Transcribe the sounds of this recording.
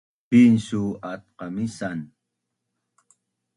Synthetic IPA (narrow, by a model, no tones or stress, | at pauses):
pinsuat̪̚qɑmisan